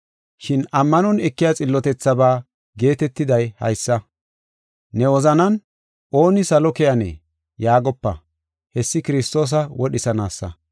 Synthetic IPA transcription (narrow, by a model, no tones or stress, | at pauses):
ʃɪnɐmːɐnɔnɛkːɪjat͡sʼɪlːɔt̪ɛt͡sːɐbaː | ɡe̞ːt̪ɛt̪ːɪd̪ɐjhɐ̰jsːɐ | nɛwɔzɐnɐn | ʔo̞ːnɪsɐlɔkɛjɐnɛ̰ː | jaːɡɔpːɐ̰ | hɛsːɪkɪɾɪst̪o̞ːs̬ɐwɔɗɪsɐnaːsːɐ̰